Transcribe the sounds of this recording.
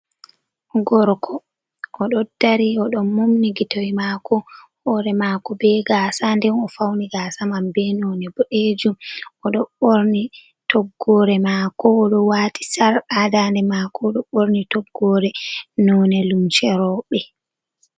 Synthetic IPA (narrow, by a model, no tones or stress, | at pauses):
ɡɔɾkʰɔ | ʔɔɗɔd̥aɾiɔɗɔnːumniɡitojmakɔ | hɔɾɛmaːkɔbɛɡaːsandɛnɔfawniɡaːsamambɛnɔːnɛbɔʔed͡ʒumɔɗɔɓoɾni | tɔɡːɔɾɛmakɔːɗɔwaːti̥saɾadandɛmaːkɔɗɔɓoɾnitɔɡːɔɾɛnɔːnɛlumt͡ʃɛɾɔɓɛ